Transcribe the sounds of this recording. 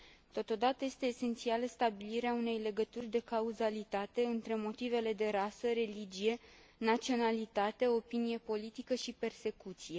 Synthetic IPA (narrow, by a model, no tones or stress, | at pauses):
t̪o̞t̪o̞d̪at̪əje̞st̪e̞ːse̞nt̪sialəst̪abiliɾeaune̞jle̞ɡət̪urʲd̪e̞kauzalit̪at̪e̞ɨnt̪ɾe̞mo̞t̪ive̞le̞d̪e̞ɾasəɾe̞lid͡ʒije̞ | nat̪sio̞nalit̪at̪e̞o̞pinije̞po̞lit̪ikəʃipe̞rse̞kut̪sije̞